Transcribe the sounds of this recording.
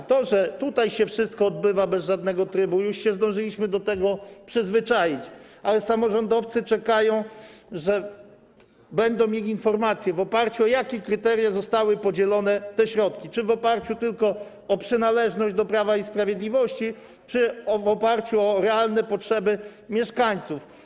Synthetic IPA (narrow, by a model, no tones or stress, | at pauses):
t̪ɔʐɛt̪ut̪ajɕɛfʂɘst̪̚kɔːd̪̚bɘvabɛzʐad̪nɛɡɔt̪ɾɘbujuʂɕɛzd̪ɔ̃w̃ʐɘlʲiɕmɘd̪ɔt̪ɛɡɔpʂɘzvɘt͡ʂajit͡ɕalɛsamɔʐɔnd̪ɔft̪sɘt͡ʂɛkajɔ̃w̃ʐɛ | bɛnd̪ɔ̃w̃mʲjelʲiinfɔɾmat̪sʲjɛvɔpaɾt͡ɕuɔjakʲekɾɘt̪ɛɾʲjazɔst̪awɘpɔd͡ʑɛlɔnɛt̪ɛɕɾɔt̪̚kʲit͡ʂɘvɔpaɾt͡ɕut̪ɘlkɔ | ɔpʂɘnalɛʐnɔʑd͡ʑd̪ɔpɾavaispɾavʲjed̪lʲivɔɕt͡ɕi | t͡ʂɘɔvɔpaɾt͡ɕuɔɾɛalnɛpɔtʂɛbɘmʲjɛʂkaɲt̪suf